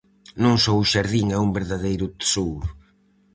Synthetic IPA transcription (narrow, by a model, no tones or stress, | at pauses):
nõŋsowʊʃaɾðiŋɛumbeɾðaðejɾʊt̪sowɾ